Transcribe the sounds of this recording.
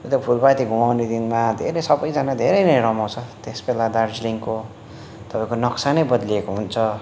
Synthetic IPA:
t̪opʰulbajt̪iɡʱumawned̪inmad̪ʱeɾʌjsʌbʌjd͡zanad̪ʱeɾʌjnʌjɾʌmaw̃t͡sʰʌt̪esbelad̪ard͡zliŋko | t̪ʌpaĩkonʌksanʌjbʌd̪liekoɦunt͡sʰʌ

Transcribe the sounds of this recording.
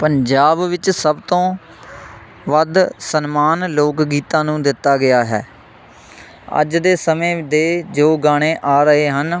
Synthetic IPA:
pəɲd͡ʒaːbʋɪt͡ʃsəbt̪õː | ʋəd̪sənmaːnloːkɡiːt̪ãːnũːd̪ɪt̪ːaːɡɪjaːɦɛ̰ː | ə̰d͡ʒd̪eːsəmẽːd̪eːd͡ʒoːɡaːɽ̃eːʔaːɾəɦeːɦən

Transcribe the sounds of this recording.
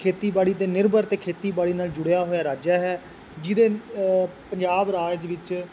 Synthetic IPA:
kʰeːt̪iːbaːɽiːd̪eːnɪɾbəɾt̪eːkʰeːt̪iːbaːɽiːnaːld͡ʒʊɽejaːɦoːjaːɾaːd͡ʒaːɦɛː | d͡ʒɪd̪eː | pəɲd͡ʒaːbɾaːd͡ʒd̪eʋɪt͡ʃ

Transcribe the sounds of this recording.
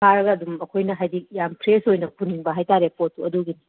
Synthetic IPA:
aɾɐɡɐːdumɐkʰojnɐɦajdik̚jampʰɾesojnɐpuniŋbɐɦajtaɾepotːuɐduɡini

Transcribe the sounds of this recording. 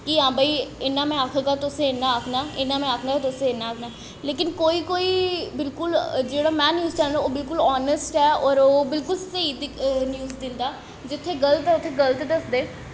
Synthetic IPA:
kiãːbaːiːɪnːãːmɛ̃ːaːkʰaːɡaːt̪ʊsẽɪnːãːakʰnaːɪnːãːmɛ̃ːaːkʰnaːaːt̪ʊsẽɪnːãːaːkʰnaː | leːkɪnkoːiːkoːiːbɪlkʊld͡ʒeːɽaːmɛ̃ːnjuːzt͡ʃɛːld̪aoːbɪlkʊlɔːnəsʈɦɛːɔːɾoːbɪlkʊlsəiːd̪ɪnjuːzd̪ɪnd̪aː | d͡ʒɪt̪ʰːeːɡələt̪ɛʊt̪ʰːeːɡələt̪d̪əsd̪eː

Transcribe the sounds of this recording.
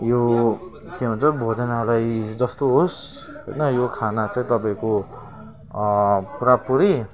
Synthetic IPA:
jo | kʰiɦũnt͡sʌbʱod͡zʌnalajd͡zʌst̪oɦos | ɦʌjnʌjokʰanat͡saĩt̪ʌpaĩko | pɾapuɾi

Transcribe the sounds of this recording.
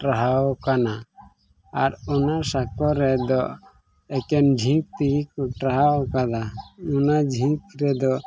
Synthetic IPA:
ʈɾaɦawkana | aɾɔnasakɔɾɛd̪ɔ | ɛkɛnd͡ʒʱĩŋk̚t̪iɾikɔʈɾaɦawkad̪aɔnad͡ʒʱĩŋkɾɛd̪ɔ

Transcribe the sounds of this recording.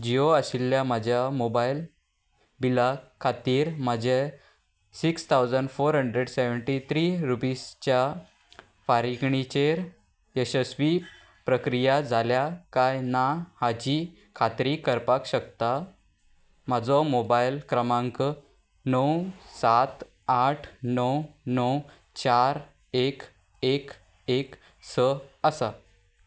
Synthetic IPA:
d͡ʑioəɕiljamad͡ʑʱjamobail | bilakʰːat̪iːɾməd͡ʑʱe | sikst̪ʰawd͡zəɳɖfoɾɦəɳɖɾeɽseʋəɳʈit̪ʰɾiɾupist͡ɕja | faɾikɳit͡ɕeɾ | eɕəsʋi | pɾəkɾijad͡zʱaljakajnahad͡ʑiː | kʰat̪ɾikəɾpakɕəkt̪a | m̤ad͡zɔmobajlkɾəmãŋk | nəwsat̪ | aʈʰnəwnəw | t͡ɕaɾ | ek | ek | ek | səəsa

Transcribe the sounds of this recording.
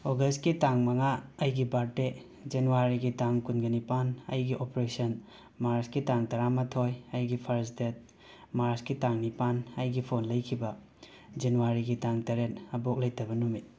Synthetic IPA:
oɡɐstkitaŋmɐŋaɐjɡibaɾte | d͡ʒenuwaɾiɡitaŋkunɡɐnipanɐ̰jɡiʔopɾesɐn | maɾskitaŋtɐɾamɐtʰojɐjɡipʰɐɾsdet̚ | maɾskitaŋnipanɐjɡipʰonlɐjkʰibɐ | d͡ʒenuwaɾiɡitaŋtɐɾetɐbok̚lɐjtɐbɐnumit̚

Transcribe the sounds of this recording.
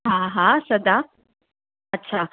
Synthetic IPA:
ɦãɦãsəd̪a | ətːɕʰa

